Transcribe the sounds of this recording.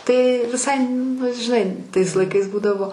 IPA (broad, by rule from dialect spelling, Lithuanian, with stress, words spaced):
tɐɪ ʋʲɪˈsɐɪ nʊ ʒʲɪˈnɐɪ tɐɪs lˠɐɪˈkɐɪs ˈbuːdɐʋoː